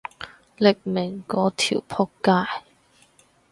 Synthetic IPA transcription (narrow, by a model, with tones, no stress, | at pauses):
lɪ˨k̚mɪ˨˩ŋkɔː˨˥t̪ʰḭː˨˩wpʰɔ˥kːaː˧˥j